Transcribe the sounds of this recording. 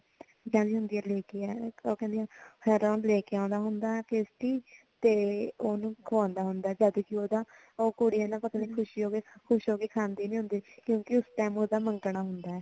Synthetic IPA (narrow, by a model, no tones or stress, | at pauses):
d͡ʒãːnĩːɦʊ̃nd̪iːɛːleːkeɛːoːkɛ̃nd̪iãːhʰɛːɾanlɛːkeãːnd̪aːɦʊnd̪aːkeːsʈiː | t̪eːoːnũːkʰʋãːnd̪aːɦʊnd̪aːɛːd͡ʒəd̪kiːoːd̪aː | oːkoːɽiːɛːnãːpət̪ãːniːkʰʊʃiːɦoːɡeːkʰʊʃɦoːɡeːkʰaːnd̪iːnĩːɦʊ̃nd̪iːkjõːkɪʊsʈaɪmoːd̪aːməŋkɳaːɦʊnd̪aːɛː